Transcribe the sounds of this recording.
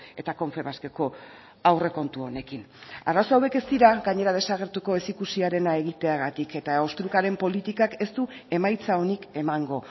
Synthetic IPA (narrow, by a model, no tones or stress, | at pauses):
e̞t̪ako̞ɱfe̞βaske̞ko̞ | awre̞ko̞nt̪uo̞ne̞kin | araso̞awe̞ke̞st̪iɾaɡaɲe̞ɾað̞e̞saɣ̞e̞ɾt̪uko̞e̞sikusiaɾe̞nae̞ɣit̪e̞aɣ̞at̪ike̞t̪ao̞st̪ɾukaɾe̞mpo̞lit̪ikake̞st̪ue̞majt͡sao̞nike̞maŋɡo̞